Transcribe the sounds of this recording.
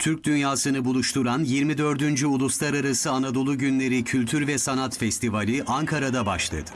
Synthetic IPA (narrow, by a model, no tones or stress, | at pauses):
t̪ʰyɾc̚d̪ynjaːsɯnɯbulˠuʃt̪ʰuɾanjiɾmid̪ø̞ɾd̪ynd͡ʒyulˠuslˠaɾaɾasɯanad̪o̞lˠuɟynlʲe̞ɾicʰylʲt̪ʰyɾvɛsanat̪fɛst̪ʰivalʲiʔaŋkʰaɾad̪abaʃlˠa̰d̪ɯ̥